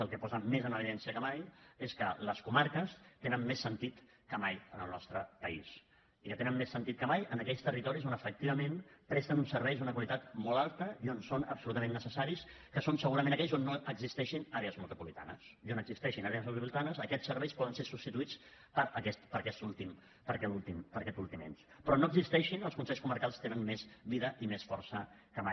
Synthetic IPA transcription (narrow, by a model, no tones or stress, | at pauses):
əlˠkɛpɔzəmezənəβiðɛnsiəkəmajeskələskumaɾkəst̪enənmmesːənt̪it̪ | kəmajənəlˠnɔst̪ɾəpəis | ikət̪enənmːesːənt̪it̪kəmajənəkɛʎst̪ərit̪ɔɾizonəfək̚t̪iβəmẽnpɾɛst̪ənunsəɾβɛjzunəkwalit̪at̪mɔlˠalˠt̪əionsonəbsulut̪əmẽnːəsəsaɾis | kəsonsəɣuɾəmẽnəkɛʎzonːoəɡzist̪ɛʃinaɾeəzmut̪upulit̪a̰nə̰sionəɡzist̪ɛʃinaɾeəzmult̪upulit̪anəzəkɛt͡ssːəɾβɛjspɔðənseɾsust̪it̪uit͡spəɾəkɛst̪pəɾkɛst̪ulˠt̪im | pəɾkɛt̪ulˠt̪impəɾkɛt̪ulˠt̪imḛns | pɾɔnoəɡzist̪ɛʃinəlˠskunsɛʎskuməɾkalˠst̪enənmezβiðəʔimesfɔrsəkəmaj